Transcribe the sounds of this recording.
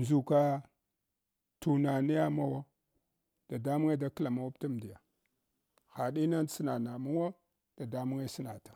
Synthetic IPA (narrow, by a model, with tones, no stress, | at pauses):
nzu˨ka˦ | tu˨na˨ni˦ja˦ma˦wo˦ | d̥a˨da˦mu˦ŋe˦da˦kla˨ma˦wa˦ta˦m˨di˨ja˨ | xa˨ɗi˦na˦n˦si˦na˨na˨mu˦wo˦ | d̥a˨da˦mu˦ŋe˦si˦na˨tḁ˨